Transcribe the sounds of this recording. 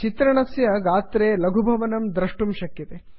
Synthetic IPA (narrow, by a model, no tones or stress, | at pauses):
t͡ʃit̪ɾɐɳɐsjɐɡaːt̪ɾeːlɐɡʱubʱɐʋɐnɐmd̪ɾɐʂʈumʃɐkjɐt̪e